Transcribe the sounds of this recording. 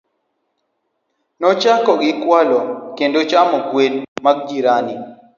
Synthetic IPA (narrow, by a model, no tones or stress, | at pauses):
nɔt͡ʃakɔɡɪkwalɔkendot͡ʃamɔɡwedmaɡ̚d͡ʒiɾani